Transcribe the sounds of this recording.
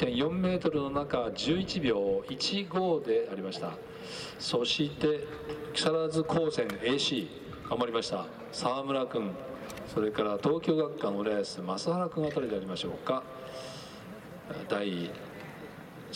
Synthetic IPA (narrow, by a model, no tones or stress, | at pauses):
t̪ẽ̞ɰ̃jõ̞mːe̞ːt̪o̞ɾɯ̟no̞nakad͡ʑɨːit͡ɕibʲjo̞ːit͡ɕiɡo̞ːd̪e̞aɾʲimaɕi̥t̪a̰ | so̞ɕit̪e̞ | kʲi̥saɾazɨkʰo̞ːsẽ̞ŋe̞ɕiː | kamaɾʲimaɕi̥t̪a | saːmɯ̟ɾakɯ̟̃ŋ | so̞ɾe̞kaɾat̪o̞ːkʲo̞ːɡakːanoɾeːsɨmasɨhaɾakɯ̟ɰ̃at̪aɾet̪eaɾʲimaɕo̞ːka | d̪ai